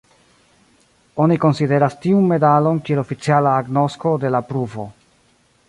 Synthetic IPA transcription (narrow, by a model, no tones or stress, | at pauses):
o̞niko̞nside̞ɾastiunme̞dalo̞nkie̞lofit͡sialaːɡno̞sko̞de̞lapɾuvo̞